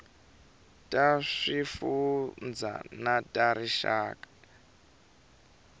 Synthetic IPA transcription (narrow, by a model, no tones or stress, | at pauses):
tʼaʂifund͡za̰natʼaɾiʃa̰ːkʼḁ